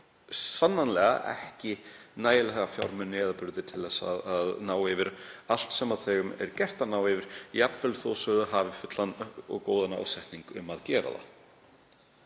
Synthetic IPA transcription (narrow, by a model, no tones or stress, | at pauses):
sanːanlɛɣa̰ʔɛ̰hcɪnaːjɪlɛɣafjawɾmʏnɛːðapʏɾðɪt̪ʰɪlθɛsːaðaðnaːwɛvɪɾal̥t̪sɛmaðθɛːɣʏmɛ̰ɾcɛr̥t̪anaːwɛvɪɾ̥japnfɛlθoːwsœðʏɦaːvɪfʏt̪lanɔ̰ɣkoːwðana̰ːwsɛht̪niŋkʏ̰maðcɛːɾa̰ða̰